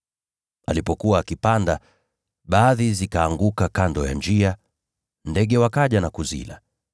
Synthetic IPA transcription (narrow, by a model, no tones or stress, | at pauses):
a̰lipɔkuwaːkipanda | ɓaːðizikaːŋɡukakandɔja̰nd͡ʒia | ndɛɡɛwakaʄanakuzḭla̰